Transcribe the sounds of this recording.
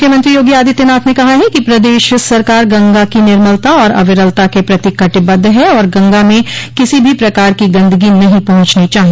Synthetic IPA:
kʰjəmɐ̃nt̪ɾijoːɡiaːd̪it̪enaːpnekɐɦaɦɛkipɾɐd̪eːʃsɐɾkaːɾɡɐ̃ŋɡakinɪɾməlt̪aɔːɾɐ̰ʋɪɾəlt̪akepɾɐt̪ɪkɐʈɪbɐd̪ʱːɦɛɔːɾɡɐ̃ŋɡamẽkɪsibʱipɾɐkaːɾkiɡɐ̃nd̪əɡinɐɦĩpɐɦʊ̃t͡ʃnit͡ʃaːɦi

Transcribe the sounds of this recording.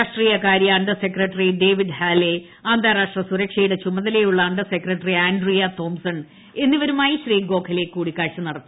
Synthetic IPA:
aːʂʈriːjɐkaːɾjɐɐɳɖɐsekrɐʈːɐriɖe̞ːʋiɖhaːle | aːnd̪ʱaːɾaːʂʈrɐsuɾɐkʂejɽɐt͡ɕumɐðɐlejuɭːɐɐɳɖɐsekrɐʈːɐriaːnɖrijɐt̪o̞ːmsɐn | e̞nːiʋɐɾumaːjiɕriːɡo̞ːkʰɐleːkːuːɽikːaːɻʂɐnɐɽɐt̪ːi̥

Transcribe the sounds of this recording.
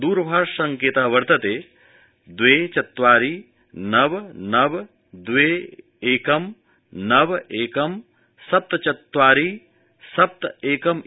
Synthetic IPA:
d̪uːɾbʱaːsɐŋkeːt̪ɐɦʋɐɾt̪ɐt̪eː | d̪weːt͡ʃɐt̪ːʋaːɾiː | nɐbnɐb | d̪ʋeː | eːkɐm | nɐbeːkɐm | sɐp̚t̪t͡ʃɐt̪ːʋaːɾiː | sɐp̚t̪eːkɐm

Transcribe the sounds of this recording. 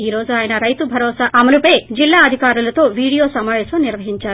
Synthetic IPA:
iːɾo̞ːd͡ʒuaːjɐnɐɾɐjt̪ubʱɐɾɔːsaːɐmɐlupeːd͡ʒilːaːɐd̪ʱikaːɾulɐt̪o̞ːʋiːɽijo̞ːsɐmaːʋɛːsɐmniɾʋɐɦiɲt͡ʃaː

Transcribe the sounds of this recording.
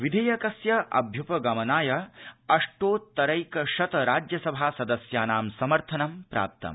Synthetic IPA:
ʋid̪ʱɐːjɐkɐsjɐʔɐ̰bʱjupɐɡɐmɐnaːjɐɐʂʈoːt̪ːɐɾɐjkɐʃɐt̪ɐɾaːd͡ʒjɐsɐbʱaːsɐd̪ɐsjaːnaːmsɐmɐɾt̪ʰɐnɐmpɾa̰ːp̚t̪ɐ̰m

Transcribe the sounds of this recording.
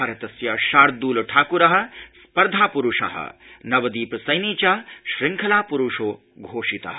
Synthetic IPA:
aːɾɐt̪ɐsjɐʃaːɾd̪uːlɐʈʰaːkuɾɐɦɐ̆spɐɾd̪ʱaːpuɾuʂɐ̰ɦɐ̰nɐʋɐd̪iːpɐsɐjniːt͡ʃaːʃɾiŋkʰɐlaːpuɾuʂoː | ɡʱoːʂit̪ɐ̰ɦɐ

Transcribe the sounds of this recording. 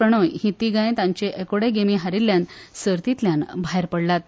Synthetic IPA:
əɽ̃ojɦĩt̪iɡãj̃t̪ãɲt͡ɕeʔekoɽeɡemiɦaɾilːjãnsəɾt̪it̪ljanbʱaɦeɾpəɽlat̪̚

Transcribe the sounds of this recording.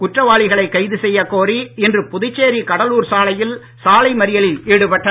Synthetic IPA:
kʊʈrɐʋaːɭɪɣɐɭɐɪkːɐɪðɯsɛjːɐkoːriɪndrɯpʊðɪt͡ʃːeːɾikɐɽɐluːɾsaːlɐjɪl | saːlɐɪmɐɾɪjɐlɪleːɽɯpɐʈːɐ

